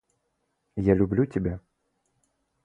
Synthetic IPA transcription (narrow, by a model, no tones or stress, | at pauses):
jalʲublʲut͡sʲabʲɛ